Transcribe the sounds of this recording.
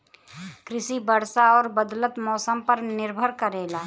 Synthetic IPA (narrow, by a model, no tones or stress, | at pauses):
kɾɪsibəɽsaɔːɾbəd̪lət̪mɔːsəmpəɾnɪɾbʱəɾkəɾeːlaː